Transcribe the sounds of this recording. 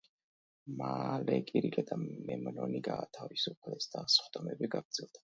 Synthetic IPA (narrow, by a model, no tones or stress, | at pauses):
malɛkʼiɾikʼɛd̪ʰʼamɛmnɔniɡaːt̪ʰavisupʰlɛsd̪asχd̪ʼɔmɛbiɡaɡɾd̪zɛlˠd̪ḁ